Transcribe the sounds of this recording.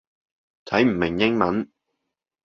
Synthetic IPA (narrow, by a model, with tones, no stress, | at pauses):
t̪ʰɐ˨˥jm̩˨˩mɪ˨˩ŋjɪ˥ŋmɐ˨˥n